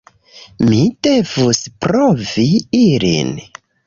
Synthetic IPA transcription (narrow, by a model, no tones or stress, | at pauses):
mid̥e̞vuspɾoviilḭn